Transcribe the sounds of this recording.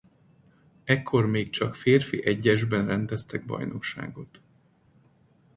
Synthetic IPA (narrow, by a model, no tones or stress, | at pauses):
ɛkʰːo̞rmeːkt͡ʃɒkfeːrfiʔɛɟːɛʒbɛnrɛnd̪ɛst̪ɛɡ̚bɒ̰jno̞kʃa̰ːɡo̞t̪